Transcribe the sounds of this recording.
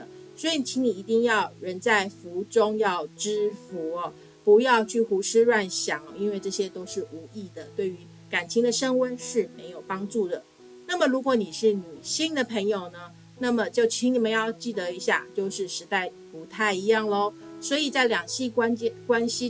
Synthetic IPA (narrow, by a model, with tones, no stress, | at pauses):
ə˩swɔ˧˥i˨˧˥t͡ɕʰi˧˥ŋni˨˩i˧˥t̪i˥˧ŋjɑ˥˩ʊɻə˧˥nt͡sa˥˩ɪfu˧˥ʈ͡ʂʊ˥ŋjɑ˥˩ʊʈ͡ʂɻ̩˥fu˧˥ɐ˧ | pu˧˥jɑ˥˧ʊt͡ɕʰy˥˩xu˧˥ʂɻ̩˥ɻwa˥˧˩nɕjɑ˨˩ŋ˦i˥nwe˥˧ɪʈ͡ʂɤ˥˩ɕjɛ˥t̪o˥ʊʂɻ̩˥˩u˧˥i˥˩d̪ə˩t̪we˥˩ɪy˧˥ | ka˨˩nt͡ɕʰi˧˥ŋd̪ə˨ʂə˥ŋwə˥nʂɻ̩˥˩me˧˥ɪjo˨˩ʊpɑ˥ŋʈ͡ʂu˥˩d̪ə˩ | na˥˩mə˩ɻu˧˥kwɔ˧˥˦ni˨˩ʂɻ̩˥˩ny˨˩ɕi˥ŋd̪ə˨pʰə˧˥ŋjo˨˩ʊnə˦ | na˥˩mə˩t͡ɕjo˥˩ʊt͡ɕʰi˧˥ŋni˨˩mə˧˦njɑ˥˧ʊt͡ɕi˥˩d̪ə˩˦i˧˥ɕja̰˥˧t͡ɕjo˥˧ʊʂɻ̩˥˩ʂɻ̩˧˥t̪a˥˩ɪ | pu˧˥t̪ʰa˥˩ɪi˧˥jɑ˥˩ŋlə˦swɔ˧˥i˨˩t͡sa˥˩ɪljɑ˨˩ŋɕi˥˩kwa˥n˥kwa˥nɕi˧˥